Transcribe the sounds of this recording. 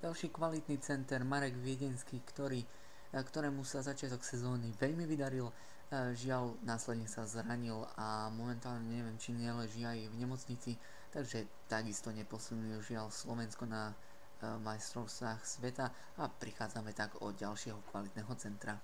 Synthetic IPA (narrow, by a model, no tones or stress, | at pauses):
ɟalʃiːkʋalit̪nit͡sɛnt̪ɛɾmaɾɛɡʋɪɛɟɛnskiːkt̪ɔɾiː | kt̪ɔɾɛːmusazat͡ʃɪat̪ɔksɛzɔːniʋɛʎmiʋid̪aɾil | ʒɪalnaːslɛd̪ɲɛsazɾaɲilamɔmɛnt̪aːlɲɛɲɛʋɪɛmt͡ʃiɲɛlɛʒiajvɲɛmɔt͡sɲit͡si | t̪aɡʒɛ | t̪aɡist̪ɔɲɛpɔsilɲiuʒɪalslɔʋɛnskɔna | majst̪ɾɔʊst̪ʋaːxsʋɛt̪a | apɾixaːd͡zamɛt̪aɡɔ̰ɟalʃɪɛɦɔkʋalit̪nɛːɦɔt͡sɛnt̪ɾa